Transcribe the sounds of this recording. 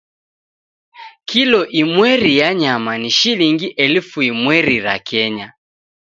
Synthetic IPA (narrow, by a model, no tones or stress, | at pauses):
kʰilɔʔimwɛɾijaɲamaniʃiliŋɡiʔɛlfuimwɛɾiɾa̰kʰɛɲa